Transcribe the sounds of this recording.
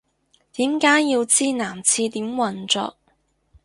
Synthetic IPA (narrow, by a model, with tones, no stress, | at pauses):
t̪iː˨˥mkaː˨˥jjiː˧wt͡siː˥naː˨˩mt͡sʰiː˧t̪iː˨˥mwɐ˨˩nt͡sɔ̰ː˧k̚